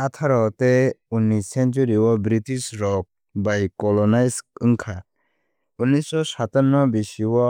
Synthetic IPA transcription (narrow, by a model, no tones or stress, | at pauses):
at̪ʰaɾɔt̪eunisɛnt͡ʃuɾiwɔbɾitisɾɔk̚ | bajkɔlɔnajsɯŋkʰa | unisɔsat̪aɾnːɔbisiwɔ